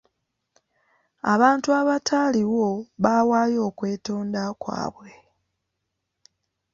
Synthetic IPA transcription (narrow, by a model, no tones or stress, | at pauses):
aβaːntuaβatʰaːliwo̞βawaːjo̞ːkwe̞ːto̞ːndakwa̰ːβwle